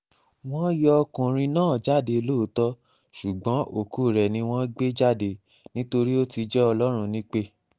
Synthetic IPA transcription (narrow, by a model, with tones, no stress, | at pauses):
w̃ɔ̃˦jɔ˦˧kũ˨ɾ̃ĩ˧nãː˦˨d͡ʒa˦˨de˧lo˦˨˦tɔ˦ | ʃu˨ɡ͡bɔ̃˨˦ʔo˦˨ku˦˨ɾɛ˨nĩ˧w̃ɔ̃˦ɡ͡be˦d͡ʒa˦˨de˧˨ | nĩ˦to˧ɾi˦o˦ti˧d͡ʒɛ˦ɔ˧lɔ˦ɾ̃ũ˧nĩ˦k͡pe˦